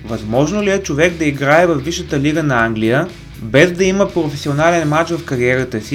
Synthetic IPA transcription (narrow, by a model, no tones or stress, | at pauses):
vɐzmɔʒnoliɛt͡ʃovɛɡd̪ɐiɡɾaɛvɐfːiʃət̪əliɡənɐaŋɡlijə | bɛzd̪ɐiməpɾofɛsionalɛnmat͡ʃvɐfkɐɾiɛɾət̪əsi